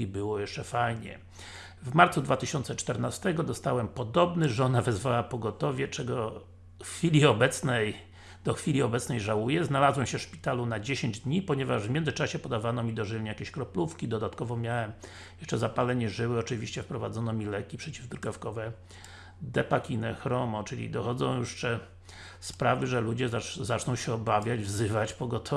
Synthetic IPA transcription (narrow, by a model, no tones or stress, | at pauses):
ibɘwɔjɛʂt͡ʂɛfajɲɛ̰ | vmaɾt̪sud̪vat̪ɘɕɔnt̪sɛt͡ʂt̪ɛɾnast̪ɛɡɔd̪ɔst̪awɛmpɔd̪ɔbnɘʐɔnavɛzvawapɔɡɔt̪ɔvʲjɛt͡ʂɛɡɔ | xfʲilʲiɔbɛt̪snɛj | d̪̥ɔxfʲilʲiɔbɛt̪snɛjʐawujɛznalazwɛmɕɛfʂpʲi̥t̪alunad͡ʑeɕeɲd͡ʑd̪ɲipɔɲɛvaʐvmʲjɛnzɘt͡ʂaɕɛpɔd̪avanɔmʲid̪ɔʐɘɲjakʲeɕkɾɔplufkʲid̪ɔd̪at̪kɔvɔmʲjawɛm | jɛʂt͡ʂɛzapalɛɲɛʐɘwɘɔt͡ʂɘvʲiɕt͡ɕɛfpɾɔvad̪zɔnɔmʲilɛkʲipʂɛt͡ɕivd̪ɾɡɔfkɔvɛ | d̪ɛpakʲinɛxɾɔmɔt͡ʂɘlʲḭd̪ɔxɔd̪zɔ̰̃w̃juʂt͡ʂɛ | spɾavɘʐɛlud͡ʑɛzazat͡ʂnɔ̃w̃ɕɛɔbavʲjad͡ʑvzɘvat͡ɕpɔɡɔt̪ʰɔ